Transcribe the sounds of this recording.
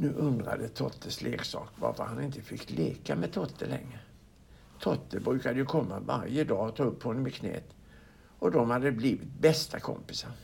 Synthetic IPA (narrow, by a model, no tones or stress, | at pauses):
nʉ̟ːʔɵnd̪ɾa̰d̪ət̪ʰɔt̪ʰːəslʔeːɡsɑːkva̰ɾfəhanɪnt̪əfɪkt̪leːkamɛt̪ʰɔt̪ʰːəlɛŋːɾə | t̪ʰɔt̪ʰːəbɾʉ̟ːkad̪əjɵkʰɔmːavaɾjəd̪ɑːɔt̪ʰɑːɵphɔnːəmɪkʰnɛ̰ːt̪ | ɔd̪ɔmhad̪ːəbliːvɪt̪̚bɛst̪ʰakʰɔ̰mpɪsaɾ